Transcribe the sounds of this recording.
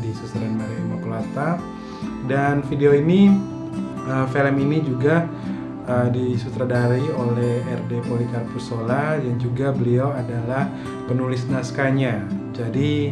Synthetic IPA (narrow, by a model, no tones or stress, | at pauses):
disusɾɛnmaɾiimakolat̪a | danfideoini | əfeləminid͡ʒuɡa | ədisut̪ɾadaɾiolɛhɛrdepolikarpusoladaŋd͡ʒuɡabəliawadalah | pənulɪsnaskaɲad͡ʒadi